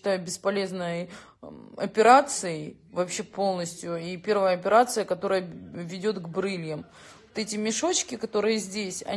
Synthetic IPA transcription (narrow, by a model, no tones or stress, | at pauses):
ɪt̪ajʊbʲɪspɐlʲe̞znəj | ɐpʲɪɾat̪sɨɪ | vɐpɕːe̞po̞lˠnəsʲtʲjʊipʲe̞ɾvəjəɐpʲɪɾat̪sɨjəkɐt̪o̞ɾəjəvʲɪdʲo̞t̪ɡbɾɨlʲjəm | vt̪ɛtʲɪmʲɪʂo̞t͡ɕkʲɪkɐt̪o̞ɾɨjəzʲdʲesʲɐ̰